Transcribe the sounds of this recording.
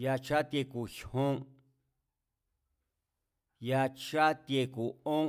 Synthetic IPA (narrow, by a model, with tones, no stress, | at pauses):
ja˧t͡ʃa˦t̪je˧ku˨ʃõ˦ | ja˧t͡ʃa˦t̪je˧ku˨õ˦